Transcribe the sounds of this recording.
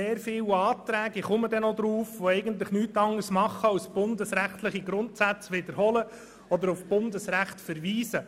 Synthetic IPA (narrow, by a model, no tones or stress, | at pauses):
eːɾfɪwɑːt̪ɾæːɡiχʊməd̪ɛnod̪ɾuːfʋoɛɪɡən̩t̪lɪχnyːtɑŋəsmɑχːəɑsb̥ʊndəsɾæχtlɪχiɡɾʊntsæt͡sʋɪd̪əɾhɔlə | ɔd̪əɾufb̥ʊnd̪əsɾæχtfəɾʋiːsə